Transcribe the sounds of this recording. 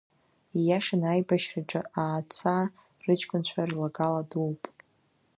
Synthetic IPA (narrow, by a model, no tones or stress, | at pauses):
jaʂanajbaʃraʈ͡ʂʼɨʔaːt͡sʰa | rɨt͡ʃʰʼkʷʼʊnt͡ɕʷʰarlaɡaladuwpʼ